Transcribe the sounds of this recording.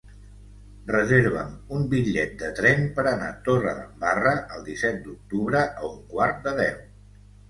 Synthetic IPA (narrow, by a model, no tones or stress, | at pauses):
rəzeɾβəmumbiʎɛt̪̚d̪ət̪ɾɛmpəɾəna̰t̪orəðəmbarəʔəlˠd̪isɛt̪̚d̪uk̚t̪uβɾəʔəuŋkwaɾt̪̚d̪əðɛw